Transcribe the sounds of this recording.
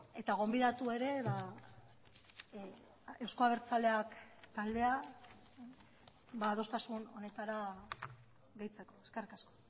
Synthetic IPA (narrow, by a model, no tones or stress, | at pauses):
e̞t̪aɣ̞o̞mbiðat̪ue̞ɾe̞βa | e̞wsko̞aβ̞eɾt͡sale̞akt̪ald̪e̞a | βaːð̞o̞st̪asuno̞̰ne̞t̪aɾa | ɣe̞jt͡se̞ko̞eske̞rikasko̥